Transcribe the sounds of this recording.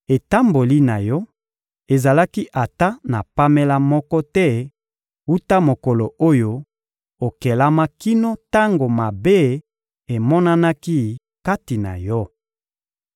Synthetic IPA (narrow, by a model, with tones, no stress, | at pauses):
e˨ta˦mbo˨li˦na˨jɔ˦ | e˨za˨la˦ki˦ʔa˨ta˦na˨pa˦me˦la˦mɔ˦kɔ˦tɛ˦ | u˦ta˦mo˨kɔ˨lo˨o˦jo˦ | o˨ke˨la˦ma˦ki˦no˦ta˦ŋɡo˨ma˨be˦˨ | e˨mɔ˦na˦na˦ki˦ | ka˦ti˨na̰˨jɔ˦